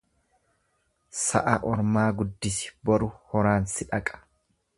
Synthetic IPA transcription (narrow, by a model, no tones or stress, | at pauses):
sɐ̰ʔɐʔɔɾmaːɡʊd̪ːɪsɪ̥bɔɾʊhɔɾaːnsɪᶑɐkʼɐ̥